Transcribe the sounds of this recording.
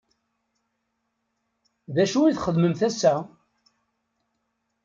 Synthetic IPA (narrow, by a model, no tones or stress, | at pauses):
ðæʃuiθχəðməmθæsæ